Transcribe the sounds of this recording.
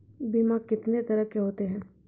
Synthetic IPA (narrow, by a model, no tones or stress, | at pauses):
bimakɪt̪net̪ɐɾəɦkeɦoːt̪eɦɛ̃ː